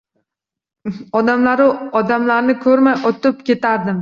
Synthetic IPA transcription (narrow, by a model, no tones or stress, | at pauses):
ɒd̪amlaɾɪɒd̪amlaɾnɪkʰɵɾmajɒt̪ɪpkʲe̞t̪ʰaɾd̪ɪm